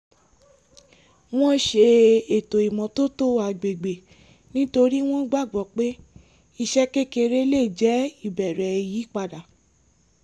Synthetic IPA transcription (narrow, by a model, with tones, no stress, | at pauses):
w̃ɔ̃˦ʃe˧e˨to˨i˨mɔ̃˨to˦to˦a˨ɡ͡be˨ɡ͡be˨ | nĩ˦to˧ɾi˦w̃ɔ̃˦ɡ͡ba˦˨ɡ͡bɔ˨k͡pe˦ | i˧ʃɛ˦ke˦ke˧ɾe˦le˦˨d͡ʒɛ˨˦i˦˨bɛ˨ɾɛ˨˧ji˨˦k͡pa˧da˨